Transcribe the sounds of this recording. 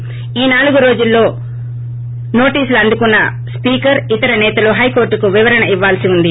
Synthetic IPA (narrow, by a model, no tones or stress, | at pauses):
iːnaːluɡuɾo̞ːd͡ʒulːo̞ː | no̞ːʈiːsuluɐnd̪ukunːɐ | spiːkɐɾit̪ɐɾɐnɛːt̪ɐloːɦɐjko̞ːɾʈukuʋiʋɐɾɐɳɐiʋːaːlsiund̪i